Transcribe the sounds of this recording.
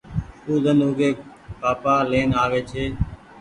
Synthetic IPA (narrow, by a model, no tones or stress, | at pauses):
t̪uːd̪ənoːɡeː | paːpaːleːnaːʋeːt͡ʃʰeː